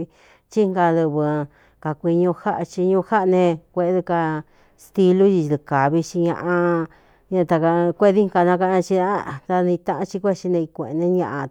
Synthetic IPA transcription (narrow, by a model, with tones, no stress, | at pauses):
t͡ʃi˦ŋɡa˧ðu˧βɨ˧ | ka˨kʷi˧ɲõ˧ha˦ʔt͡ʃi˧ɲũ˧ha˦ʔnẽ˧kʷe˧˦ðɨ˧ka˧ | st̪i˧lu˦ji˧d̪ɨ˧ka˨βi˧t͡ʃi˧ɲã̰˧ʔã˧ | ɲã˧t̪a˧ka˧kʷe˦˧ði˦ŋ˧ka˧nã˧ka˧ã˧t͡ʃi˧a˦t̪a˧nĩ˧t̪ã˧ʔã˦t͡ʃi˧kʷe˦˧t͡ʃi˧nẽ˧i˧kʷḛ̃˨˧nẽ˧ɲã̰˧ʔa˧